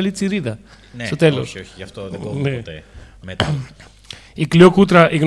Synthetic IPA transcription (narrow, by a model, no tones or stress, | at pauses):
lit͡siɾiðɐ | nst̪o̞t̪e̞lo̰soɐft̪onee | ikliokut̪ɾɐʔiɣn